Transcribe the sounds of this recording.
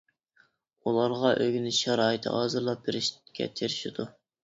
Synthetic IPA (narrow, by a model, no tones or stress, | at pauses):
ulˠɑɾʁɑʔøɡʲinɪʃɛɾɑːjɨt̪ʰɨ̰ɑːzɨɾlˠɑp̚beɾɪʃkʲɛ̰t̪ʰeɾɪʃid̪̥u